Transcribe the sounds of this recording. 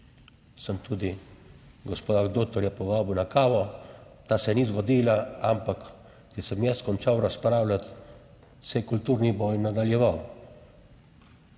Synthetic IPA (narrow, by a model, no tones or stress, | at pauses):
səmt̪uːd̪i | ɡɔspod̪aɡd̪ot̪ɔɾjɛpɔʋaːbiwnakaːʋɔt̪aːsɛnizɡɔd̪iːlaampak | t̪isəmjɛskɔnt͡ʃawɾaspɾaːwlʲat̪ | sɛjkult̪uːɾnibɔjnad̪aljɛʋaw